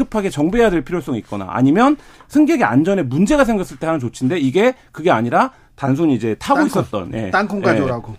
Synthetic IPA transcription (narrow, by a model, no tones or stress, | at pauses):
ɯpʰaɡe̞t͡ɕʌŋbejadeɭpʰiɾjos͈ʌŋik̚k͈ʌna̰a̰ɲimjʌnsʰɯŋɡjʌɡea̰nd͡ʑʌne̞mund͡ʑe̞ɡasʰe̞ŋɡas͈ɯɭt͈e̞hanɯnt͡ɕot͡ɕʰinde̞iɡe̞ | kɯɡe̞aɲiɾa | tans̬ʰuɲiːd͡ʑe̞tʰaɡois͈ʌt̚t͈ʌ̰nje̞̰tankʰoŋɡaoɾaɡo